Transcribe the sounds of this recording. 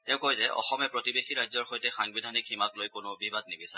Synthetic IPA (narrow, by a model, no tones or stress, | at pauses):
tɛʊ̃kojzɛʔɔ̰xɔmɛpɹotibexiɹajzɔɹxojtɛxaŋbidʱanikʰimaklojkʊnʊbibad̚nibisa